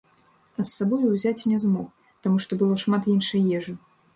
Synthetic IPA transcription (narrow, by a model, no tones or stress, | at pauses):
ɐsːabɔjuwzʲat͡sʲinʲɛzmɔk | t̪amuʂt̪ɔbɨlˠɔʂmat̪inʂɨjjɛʐɨ